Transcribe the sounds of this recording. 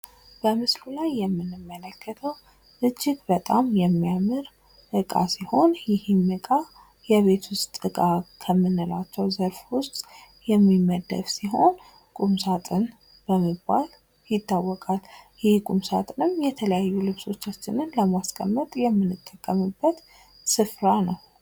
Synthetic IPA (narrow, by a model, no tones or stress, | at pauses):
b̥əmɨslulajːɛmːɨnɨmːələkːət̪ʰəw | ʔɨd͡ʒːɪɡbət̪ʼamjɛmːijamɨɾ | ʔɨkʼa̰siho̞njɪhɪmːɨkʼa | jɛβe̞t̪ʰwʊst̪ʼɨkʼakʰəmːɨnːɨlat͡ʃːɛwzəɾfwʊst̪ʼ | jɛmːimːəd̪ə̰fsiɦo̞n | kʼumsat̪ʼɨn | b̥əməbːal | jɪt̪ːawːɔkʼaljɪhkʼumsat̪ʼɨnɨmjɛt̪ʰələjajːulɨβso̞t͡ʃːat͡ʃːɪnɨnləmaskʼə̰mːət̪ʼjɛmːɨnːɨt̪ʼːəkʼːəmɨbːət̪ | sɨfɾanəw